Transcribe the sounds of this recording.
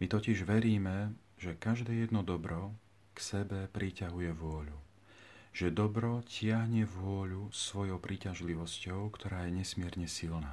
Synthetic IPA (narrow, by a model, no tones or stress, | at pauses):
mit̪ɔciʒʋɛɾiːmɛ | ʒɛkaʒd̪ɛːjɛd̪nɔd̪ɔbɾɔ | ksɛbɛpɾʔicaɦujɛʋʊɔʎu | ʒ̥ɛd̪ɔbɾɔcɪaɦɲɛʋʊɔʎusʋɔjɔʊpɾicaʒliʋɔscɔʊkt̪ɔɾaːjɛɲɛsmɪɛɾɲɛsilnaː